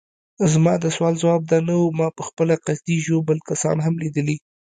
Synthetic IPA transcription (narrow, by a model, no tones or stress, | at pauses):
zmɑd̪əswɑlzwɑb̚d̪ɑnawumɑpəxpəlaqazd̪iʒobəlkasɑ̰nɦamlid̪əli